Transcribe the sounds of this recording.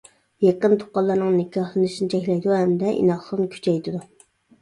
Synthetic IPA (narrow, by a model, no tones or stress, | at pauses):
jeqənt̪ʰo̥qːɑlˠːɑɾnɨŋnɪkʰʲɑhlˠɨnɨʃinɪt͡ʃʰɛkʲlɛjd̪uhɛmd̪ɛʔḭnɑχsˠənkʲʰy̥t͡ʃʰɛjt̪ɨd̪u